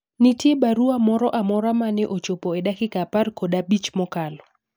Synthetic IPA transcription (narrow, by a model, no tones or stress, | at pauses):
nitjebaɾuamɔɾɔʔamɔɾamanɛʔot͡ʃopɔɛdakɪkaparkodabit͡ʃmɔkalɔ